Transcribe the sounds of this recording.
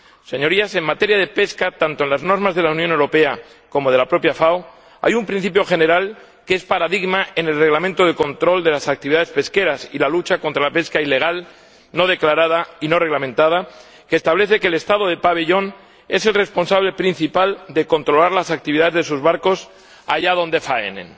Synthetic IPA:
se̞ɲo̞ɾiase̞ŋmat̪e̞ɾjað̞e̞pe̞skat̪ant̪onlazno̞ɾmazðe̞launjone̞wɾo̞pe̞a | ko̞mo̞ð̞e̞lapɾo̞pjafaw | a̰jumpɾin̟θipjo̞xe̞ne̞ɾal | keespaɾaðiɣmaene̞lre̞ɣlamẽnt̪oð̞e̞ko̞nt̪ɾo̞ld̪e̞lasak̚t̪iβiðaðespe̞ske̞ɾasḭlalut͡ʃako̞nt̪ɾalape̞skaile̞ɣ̞al | no̞ð̞e̞klaɾað̞aino̞re̞ɣlamẽnt̪að̞a | keːst̪aβle̞θe̞ke̞ːle̞st̪aðo̞ð̞e̞paβe̞ʎo̞n | e̞se̞lre̞spo̞nsaβle̞pɾin̟θipald̪e̞ko̞nt̪ɾo̞laɾlasak̚t̪iβiðaðezðesuzβaɾko̞s | aʝaðo̞nd̪e̞faḛnḛ̃n

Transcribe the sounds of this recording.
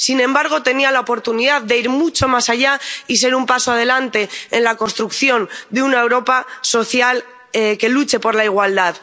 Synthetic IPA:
sinẽ̞mbaɾɣ̞o̞t̪e̞nialaopo̞ɾt̪uniðaððe̞iɾmut͡ʃo̞masaʝais̬e̞ɾumpasoað̞e̞lant̪e̞enlako̞nst̪ɾukθjo̞nd̪eunae̞wɾo̞paso̞θjal | ke̞lut͡ʃe̞po̞ɾlaiɣ̞wald̪að

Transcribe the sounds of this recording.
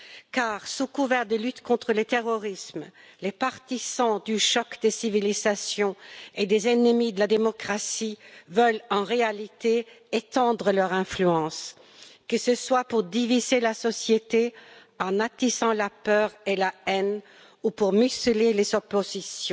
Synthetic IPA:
kaːʁsukuvɛʁd̪əlyt̪kɔ̃t̪χələt̪eʁɔʁismlepaʁt̪izɑ̃d̪yʃɔkd̪esivilizasjɔ̃ed̪ezenəmid̪əlad̪emɔkχasivœlɑ̃ʁealit̪e | et̪ɑ̃d̪ʁəlœʁɛ̃flyɑ̃s | kəsəswapuʁd̪ivizelasɔsjet̪e | ɑ̃nat̪isɑ̃lapœːʁelaɛn | upuʁmyslelezɔpozisjɔ̃

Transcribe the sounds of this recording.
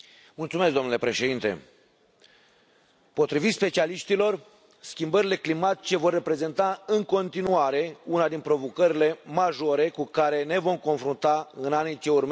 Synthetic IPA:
mult̪sumeskd̪onule̞pɾe̞ʃe̞d̪int̪e̞̰ | po̞t̪ɾivit̪spe̞t͡ʃialiʃt̪ilo̞r | skʲimbəɾile̞klimat̪i̥t͡ʃe̞vo̞rːe̞pɾe̞ze̞nt̪aɨŋko̞nt̪inuaɾe̞unad̪inpɾo̞vokəɾile̞maʒo̞ɾe̞kukaɾe̞ne̞vo̞mko̞nfɾunt̪aɨnanit͡ʃe̞urme

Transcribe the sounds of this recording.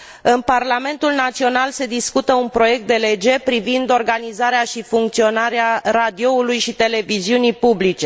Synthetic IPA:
ɨnparlame̞nt̪ulnat̪sio̞nalse̞d̪iskut̪əunpɾo̞je̞k̚t̪̚d̪e̞le̞d͡ʒe̞pɾivind̪o̞rɡanizaɾeaʃifuŋk̚t̪sio̞naɾeaɾad̪io̞ulujʃit̪e̞le̞viziunipublit͡ʃe̞

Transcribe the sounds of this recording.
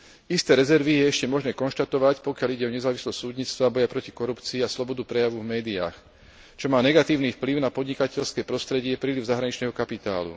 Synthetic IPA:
ist̪ɛːɾɛzɛɾʋijɛɛʃcɛmɔʒnɛːkɔnʃt̪at̪ɔʋacpɔkɪaliɟɛɔɲɛzaːʋislɔsʲsuːd̪ɲiːt͡st̪ʋabɔjapɾɔcikɔɾupt͡siːaslɔbɔd̪upɾɛjaʋuvmɛːd̪ia̰ːx | t͡ʃɔmaːnɛɡat̪iːʊniːfpliʊnapɔd̪ɲikacɛʎskɛːpɾɔst̪ɾɛɟɪɛpɾiːliʊzaɦɾaɲit͡ʃnɛːɦɔkapit̪a̰ːlṵ

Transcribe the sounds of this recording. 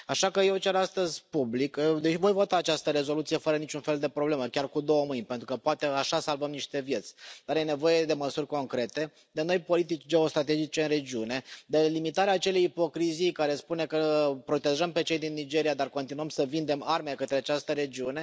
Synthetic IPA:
aʃakəjewt͡ʃeɾast̪əzʲpublikd̪eʃivojvot̪aːt͡ʃast̪əɾe̞zo̞lut̪sije̞fəɾənit͡ʃunfe̞ld̪e̞pɾo̞ble̞məkʲarkud̪o̞wəmɨjnpent̪ɾukəpoat̪e̞aʃasalvəmniʃt̪e̞vje̞t̪sʲd̪̥arjene̞vo̞je̞d̪e̞məsurʲko̞ŋkɾe̞t̪e̞ | d̪e̞no̞jpo̞lit̪̬it͡ʃʲd͡ʒe̞o̞st̪ɾat̪e̞d͡ʒit͡ʃe̞ɨnre̞d͡ʒiune̞d̪elimit̪aɾeaːt͡ʃe̞le̞jipo̞kɾizijkaɾe̞spune̞kəpɾo̞t̪e̞ʒəmpe̞t͡ʃe̞jd̪inːid͡ʒe̞ɾijad̪arko̞nt̪inuəmsəvind̪e̞marme̞kət̪ɾeat͡ʃast̪əɾe̞d͡ʒiune̞

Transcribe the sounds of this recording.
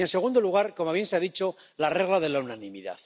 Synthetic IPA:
e̞nse̞ɣ̞und̪o̞luɣ̞aɾkomoβje̞nseaðit͡ʃo̞ | lare̞ɣlaðe̞launanimiða̰θ

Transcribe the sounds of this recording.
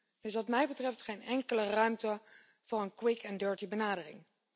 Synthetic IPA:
d̥ɵsʋɑtmɛjbətrɛftχejnɛŋkələrœɥmtə | v̥ʊːɹənkwɪkɛndøːɹtibənaːdərɪ̰ŋ

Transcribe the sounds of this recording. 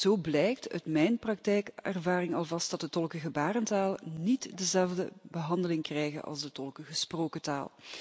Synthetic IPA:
z̥oːwblɛjk̚tœ̰ɥtmɛjnprɑk̚tɛjkɛrvaːrɪŋɑlˠvɑst̚d̥ɑt̚dətɔlˠkəɣəbaːɾəntaːlˠnitdəzɛlˠvdəbəɦɑndəlɪŋkrɛjɣə̰nʔɑ̰lˠzdətɔlˠkəɣəsproːkəta̰ːlˠ

